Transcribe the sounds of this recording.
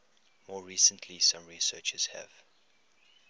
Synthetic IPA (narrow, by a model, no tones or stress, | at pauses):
mɔːɹiːsə̃ntʰlisãmɹisɜːt͡ʃəz̥hæ̰v̥